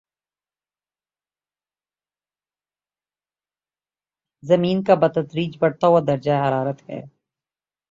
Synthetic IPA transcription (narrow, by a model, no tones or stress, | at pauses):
zɐmiːnkabɐt̪ɐd̪ɾiːd͡ʒbɐɽt̪aɦuad̪ɐɾd͡ʒaeɦɐɾaːɾət̪hɛ̰ː